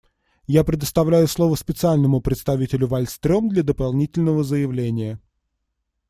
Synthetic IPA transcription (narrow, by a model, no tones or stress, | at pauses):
japɾʲɪd̪əst̪ɐvlʲæjʊslˠovəspʲɪt̪sɨalʲnəmʊpɾʲɪt̪st̪ɐvʲitʲɪlʲʊvɐlʲst̪ɾʲomd̪lʲɐd̪əpalˠnʲitʲɪlʲnəvəzəjɪvlʲenʲɪjə